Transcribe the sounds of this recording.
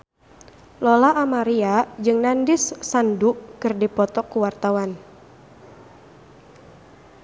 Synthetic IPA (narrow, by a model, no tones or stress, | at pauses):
lɔlaʔːmaɾiad͡ʒɨŋnandisːanduʔkɨrdipɔt̪ɔkuwart̪awan